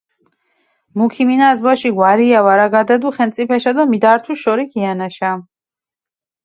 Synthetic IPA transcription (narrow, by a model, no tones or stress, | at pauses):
mukʰiminazbaʃiɡwaɾiavaɾaɡad̪ɛd̪uχɛmt̪sʼipʰɛʃad̪ɔmid̪aɾt̪ʰuʃɔɾikʰianaʃa